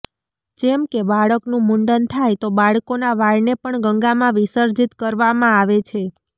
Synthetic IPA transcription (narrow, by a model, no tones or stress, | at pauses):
d͡ʒɛmkebaɭəknũmuɳɖənt̪ʰajt̪obaɭkonaʋaɭnepəɳɡəŋɡamãʋisəɾd͡ʒit̪kəɾʋamãaʋet͡ʃʰe